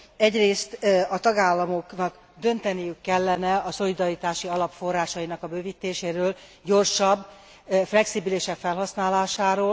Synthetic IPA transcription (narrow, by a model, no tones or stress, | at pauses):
ɛɟreːst̪ɒt̪ɒɡaːlːɒmo̞knɒɡ | d̪ø̞nt̪ɛnijykːɛlːɛnɛɒso̞lid̪ɒɾit̪aːʃiɒlɒpfo̞rːaːʃɒjinɒkɒbøːvit̪ːeːʃeːɾøːl | ɟo̞rʃɒbː | flɛksibileːʃɛkfɛlɦɒsnaːlaːʃaːɾoːl